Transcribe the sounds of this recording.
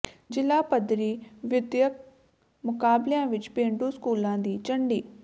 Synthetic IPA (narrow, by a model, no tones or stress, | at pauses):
d͡ʒɪlaːpəd̪ɾiːʋɪd̪jək̚ | mʊkaːbljãːʋɪt͡ʃpẽːɳɖuːskuːlãːd̪iːt͡ʃəɳɖiː